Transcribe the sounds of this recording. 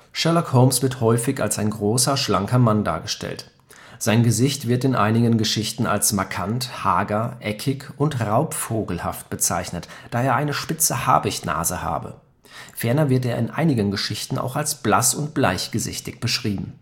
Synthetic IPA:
ʃɛɐlɔkhoʊmsv̥ɪɐthɔʏfɪçalsaɪnɡʁoːsɐʃlaŋkɐmanda̰ːɐɡəʃtʰɛ̰lt | z̥aɪnɡəzɪçtv̥ɪɐtɪnʔa̰ɪnɪɡənɡəʃɪçtn̩a̰lsmaɐkʰanthaːɡɐʔɛkʰɪkʊntʁaʊpfoːɡl̩ha̰ft̚b̥ət͡sa̰ɪçnətd̥aːeːɐʔaɪnəʃpɪt͡səha̰ːbɪçtna̰ːzəha̰ːbə̰ | fɛɐnɐvɪɐteːɐɪnʔa̰ɪnɪɡənɡəʃɪçtn̩ʔa̰ʊxalsb̥lasʊntb̥laɪçɡ̥əzɪ̰çtɪç̚b̥əʃʁ̥iːbm̩

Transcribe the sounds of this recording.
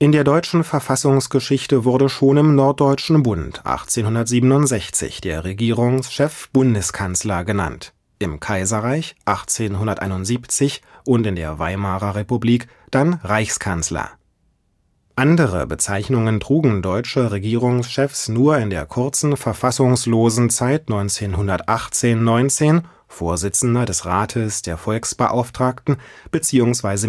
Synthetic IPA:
ʔɪndeːɐdɔʏt͡ʃn̩fɛɐfasʊŋsɡ̥əʃɪçtəvʊɐɾəʃoːnɪmnɔɐt̚d̥ɔʏt͡ʃn̩bʊntʰʔa̰χt͡seːnhʊndɐtz̥iːbənʊntz̥ɛçt͡sɪ̰çd̥eːɐʁeɡiːʁʊŋsʃɛfb̥ʊndəskʰanslɐɡəna̰nt | ʔɪmkʰaɪzɐʁaɪçʔaχt͡seːnɦʊndɐtʔa̰ɪnʊntz̥iːpt͡sɪçʔʊntɪndḛːɐva̰ɪmaːʁɐʁepubliːk | d̥anʁaɪçskʰanslɐ̰ | ʔandəʁə̰bət͡saɪçnʊŋəntʁ̥uːɡŋ̩dɔʏt͡ʃəʁeɡiːʁ̞ʊŋsʃɛfsnuːɐɪndeːɐkʰʊɐt͡sn̩fɛɐfasʊŋsloːzn̩t͡saɪtnɔʏnt͡seːnɦʊndɐtʔaχt͡seːnːɔʏnt͡seːn | foːɐzɪt͡sn̩dɐdɛsʁaːtʰəsd̥eːɐfɔlksb̥əʔa̰ʊftʁ̥aːktn̩b̥ət͡siːʊŋsv̥aɪzə

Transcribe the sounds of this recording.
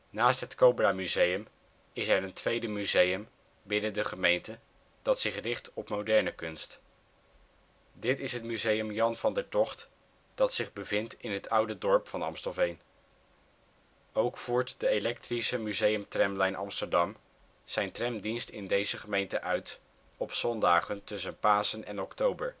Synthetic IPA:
naːstɦətkowbramyzejəm | ɪsɛɹəntʋejdəmyzejəm | bɪnədəχəmejntə | d̥ɑtsɪχrɪχtɔpmowdɛɹnəkɵnst | dɪtɪsɦətmyzejəmjɑnvɑndəɹtɔχt | d̥ɑtsɪχbəvɪntɪnɦətʰʌwdədɔɹpfɑnɑ̰mstɔlˠvejn | owkfuːɹtdəelɛktrisəmyzejəmtrɛmlɛjnʔɑ̰mstəɹdɑm | z̥ɛjntrɛmdinstɪndejzəχəmejntəʔœɥt | ɔpsɔndaːχəntɵsənpaːsənɛnɔktowbəɹ

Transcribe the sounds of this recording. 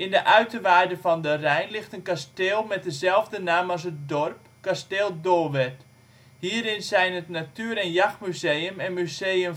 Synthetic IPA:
ʔɪndəʔœɥtəʋaːrdəfɔndərɛjnlɪxtənkasteːlˠmɛt̚dəzɛlˠvdənaːmɑs̬ət̚dɔrp | kasteːlˠdolˠʋɛt | hiːɾɪnzɛjnətnatyəɾɛnjaxmyzejəmɛnmyzeːəm

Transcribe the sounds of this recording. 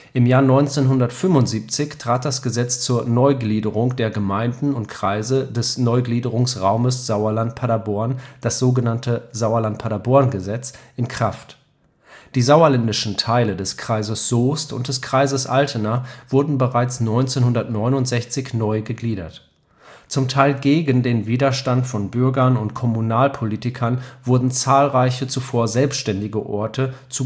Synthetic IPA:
ʔɪmjaːɐnɔʏnt͡seːnɦʊndɐtfʏmvʊntz̥iːp̚t͡sɪçtʁ̥aːt̚d̥asɡ̥əzɛt͡st͡suːɐnɔʏɡliːdəʁʊŋd̥eːɐɡəmaɪndn̩ʊntkʁ̥aɪzədɛsnɔʏɡliːdəʁʊŋsʁaʊməsz̥aʊɐlant̚pʰaɾabɔɐnd̥asz̥oːɡənantʰəzaʊɐlant̚pʰaɾabɔɐnɡəzɛt͡sʔɪnkʁ̥aft | d̥iːzaʊɐlɛndɪʃn̩tʰaɪlədɛskʁ̥aɪzəsz̥oːstʊ̰nt̚d̥ɛskʁ̥aɪzəsʔaltʰənɐv̥ʊɐdn̩bəʁaɪt͡snɔʏnt͡seːnhʊndɐtnɔʏnʊntz̥ɛçt͡sɪçnɔʏɡəɡliːɾɐ̰t | t͡sʊmtʰaɪlɡeːɡəndeːnviːdɐʃtantfɔnbʏɐɡɐnʊntkʰɔmunaːlpʰoliːtɪkʰɐnvʊɐdn̩t͡saːlʁaɪçət͡sufoːɐzɛlpstʃtɛndɪɡəʔɔɐtʰət͡su

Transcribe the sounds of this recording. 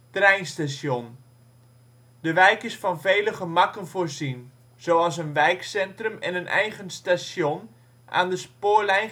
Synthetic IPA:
trɛjnstasjon | dəʋɛjkɪsfɑnvejləχəmɑkənvoːrzin | z̥oːɑlˠsənʋɛjksɛntrəmɛ̰nənʔɛ̰jχənstasjon | ʔa̰ːndəspoːrlɛjn

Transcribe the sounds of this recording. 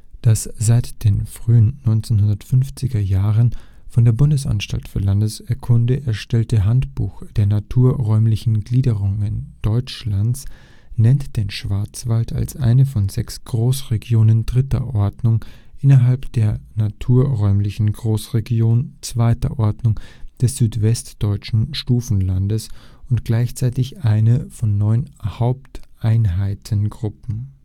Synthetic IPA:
d̥asz̥aɪtd̥eːnfʁ̥yːənːɔʏnt͡senhʊndɐtfʏnft͡sɪɡɐjaːʁən | fɔndeːɐbʊndəsʔa̰nʃta̰ltfyːɐlandəsɛɐkʰʊndəʔɛɐʃtɛltəɦantb̥ṵːxd̥eːɐnatʰuːɐʁɔʏmlɪçn̩ɡliːdəʁʊŋənd̥ɔʏt͡ʃlant͡s | nɛntd̥eːnʃv̥aɐt͡sv̥altʰa̰lsʔa̰ɪnəfɔnzɛksɡ̥ʁoːsʁeɡjoːnəndʁɪtɐ̰ʔɔɐdnʊŋʔɪnɐɦalpd̥eːɐnatʰuːɐʁɔʏmlɪçn̩ɡʁoːsʁeɡjoːnt͡sv̥aɪtɐ̰ʔɔɐdnʊŋd̥ɛsz̥yːtv̥ɛstd̥ɔʏt͡ʃn̩ʃtuːfn̩landəsʊntɡ̥laɪçt͡saɪtɪçʔaɪnəfɔnːɔʏnhaʊp̚tʔaɪnɦaɪtʰənɡʁʊpm̩

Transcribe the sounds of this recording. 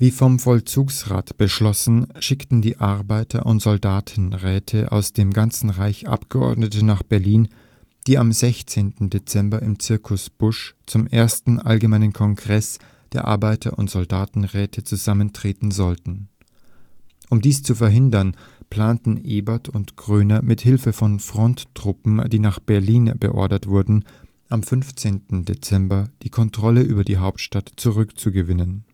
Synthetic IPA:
viːfɔmfɔlt͡suːksʁa̰ːtb̥əʃlɔsn̩ʃɪktn̩diːʔaɐbaɪtʰɐ̰ʔʊntz̥ɔldaːtʰn̩ʁɛːtʰəʔa̰ʊsd̥eːmɡant͡sn̩ʁaɪçʔa̰pɡ̥əʔɔ̰ɐdnətənaːχb̥ɛɐliːn | d̥iːamzɛçt͡seːntn̩det͡sɛmbɐɪmt͡sɪɐkʰʊsb̥ʊʃt͡sʊmʔeːɐstn̩ʔa̰lɡəmaɪnənkʰɔŋɡʁɛs | d̥eːɐʔa̰ɐbaɪtʰɐʔʊ̰ntz̥ɔldaːtn̩ʁɛːtʰət͡suzaməntʁ̥eːtn̩zɔltn̩ | ʔʊmdiːst͡sufɛɐɦɪndɐn | pl̥aːntn̩ʔeːbɐtʰʊntɡ̥ʁøːnɐmɪthɪlfəfɔnfʁ̥ɔntːʁ̥ʊpm̩d̥iːnaːχb̥ɛɐliːnb̥ə̰ʔɔ̰ɐdɐtv̥ʊɐdn̩ | ʔamfʏnft͡seːntn̩det͡sɛmbɐd̥iːkʰɔntʁ̥ɔləʔyːbɐdiːɦaʊptʃtatt͡suʁʏkt͡suɡəvɪnən

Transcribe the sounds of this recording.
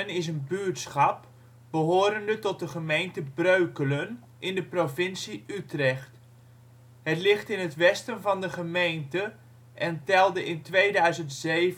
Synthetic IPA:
ənɪsənbytsχɑp | b̥əɦoːɾəndətɔt̚dəχəmejntəbrøɥkələn | ʔɪndəprofɪnsiʔytrɛχt | hətlɪχtɪnətʋɛstənvɑndəχəmejntə | ʔɛntɛlˠdəʔɪntʋejdœɥzəntseːv

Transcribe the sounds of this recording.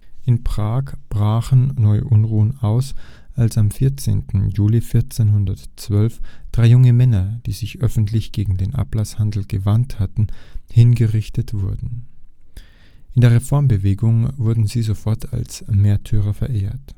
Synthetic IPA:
ʔɪnpʁ̥aːkb̥ʁaːxən̩ːɔʏʔʊnʁuːənʔaʊs | ʔalsamfɪɐt͡sḛːntn̩juːlifɪɐt͡seːnhʊndɐtt͡sv̥œlfd̥ʁaɪjʊŋəmɛnɐd̥iːzɪçʔœfn̩tʰlɪçɡ̥eːɡŋ̩deːnʔa̰plashandl̩ɡ̥əvanthatn̩hɪnɡəʁɪçtətv̥ʊɐdn̩ | ʔɪndeːɐʁefɔɐmbəveːɡʊŋvʊɐdn̩ziːzofɔɐtʰa̰lsmeːɐtʰyːʁ̞ɐfɛɐʔeːɐt

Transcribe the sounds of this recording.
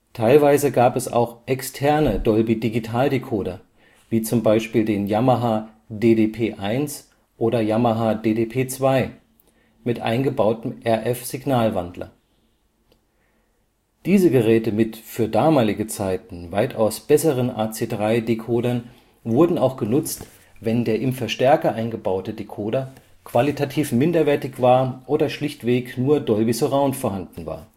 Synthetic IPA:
tʰaɪlvaɪzəɡaːpɛsa̰ʊxʔɛkstʰɛɐnədɔlbidiɡitʰaːldekʰoːdɐ | viːt͡sʊmbaɪʃpiːldeːnjamaɦa | deːdeːpʰeːʔaɪns | ʔoːdɐjamɐɦaːdeːdeːpʰeːt͡sv̥aɪ | mɪtʔa̰ɪnɡəbaʊtm̩ʔɛɐʔɛfz̥iɡnaːlvandlɐ̰ | d̥iːzəɡəʁɛːtəmɪtfyːɐdaːmaːlɪɡət͡saɪtn̩vaɪtʰaʊsb̥ɛsəʁənʔa̰ːt͡seːdʁaɪdekʰoːdɐn | vʊɐdn̩aʊxɡ̥ənʊt͡st | vɛndeːɐʔɪmfɛɐʃtɛɐkɐʔaɪnɡəbaʊtədekʰoːdɐ | kv̥alitʰatʰiːfmɪndɐvɛɐtɪçv̥aːɐʔoːdɐʃlɪçtv̥eːknuːɐdɔlvisoʁaʊnfoːɐɦandn̩va̰ːɐ

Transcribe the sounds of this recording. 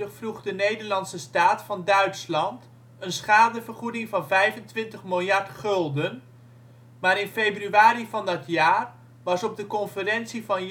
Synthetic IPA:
əχfruχdənejdəɹlɑnsəstaːtfɑndœɥtslɑnt | ənsχaːdəvəɹχudɪŋvɑnvɛjvəntʋɪntəχmɪlˠjɑɹtχɵlˠdən | maːɾɪnfejbryaːɾivɑndɑtʰjaːr | ʋɑsɔb̚dəkɔnfərɛnsivɑn

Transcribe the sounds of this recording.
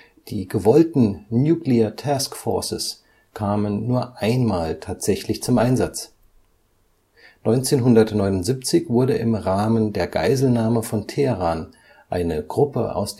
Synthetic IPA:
d̥iːɡəvɔltn̩njuːkliɐtʰaskfɔ̰ɐsɪ̰s | kʰaːmənːuːɐʔaɪnmaːltʰaːtz̥ɛçlɪçt͡sʊmʔaɪnzat͡s | nɔʏnt͡seːnɦʊndɐtnɔʏnʊntz̥iːp̚t͡sɪçv̥ʊɐdəʔɪmʁaːməndeːɐɡa̰ɪzl̩naːməfɔntʰeʁaːn | ʔaɪnəɡ̥ʁʊpə̰ʔa̰ʊsd̥

